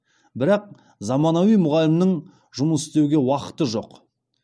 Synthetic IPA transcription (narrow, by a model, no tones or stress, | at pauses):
bɪɾɑq̚ | zɑmɑnɑwijmʊʁɑlɪmnəɴ | ʒʊməsɪst̪e̞wɡʲe̞wɑqə̥t̪əʒo̞̰q